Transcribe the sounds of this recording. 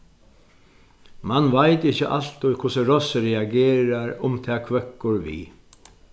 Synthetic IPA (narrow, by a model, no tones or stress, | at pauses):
manvajt̪ɪçəʔa̰lt̪ʊjkʰʊsəɾɔsəɾɛaɡeːɾaɾʊmt̪ʰɛːkʰʋœkːʊɾʋḭː